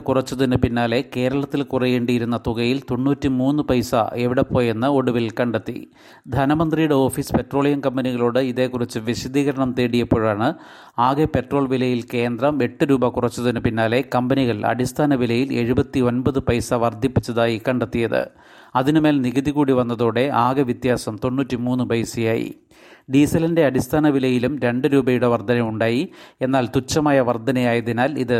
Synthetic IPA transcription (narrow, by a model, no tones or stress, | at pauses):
kurɐt͡ɕːɐðinɨpinːaːle̞ke̞ːɾɐɭɐt̪ːilkurɐjeːɳɖijiɾun̪ːɐt̪uɣɐjilt̪oɳːuːtːimuːnːɨpɐjsɐ̰ʔe̞ʋiɽepːo̞ːjenːɨo̞ɽuʋilkɐɳɖet̪ːḭ | d̪ʱɐnɐmɐnd̪rijuɽe̞o̞ːfiːspe̞ʈro̞ːɭijɐmkɐmbɐniɣɐɭoːɽɨiðe̞kːurit͡ɕːɨʋiɕɐd̪ʱiːɣɐɾɐɳɐmt̪e̞ːɽijɐpːo̞ːɻaːɳɨ | aːɣepe̞ʈro̞ːɭʋilɐjilke̞ːnd̪rɐme̞ʈːɨɾuːbɐkurɐt͡ɕːuðinɨpinːaːlekɐmbɐniɣɐɭɐ̰ɽist̪ʰaːnɐʋilɐjile̞ɻubɐt̪ːio̞nbɐðɨpɐjsɐʋɐrd̪ʱipːi̥t͡ɕːɐðaːjikɐɳɖɐt̪ːijɐðɨ̰ | ɐðinumeːlniɣɐðiɣuːɽiʋɐnːɐðoːɽe̞aːɡɐʋjit̪jaːsɐmt̪o̞nːuːtːimuːnːɨpɐjsijaːjḭ | ɖiːsɐlinde̞ɐɽist̪ʰaːnɐʋilɐjilumɾe̞ɳɖɨɾuːbɐjuɽeʋɐrd̪ʱɐnɐjuɳɖaːjie̞nːaːlt̪ut͡ɕːɐmaːjɐʋɐrd̪ʱɐnɐjaːjɐðinaːliðɨ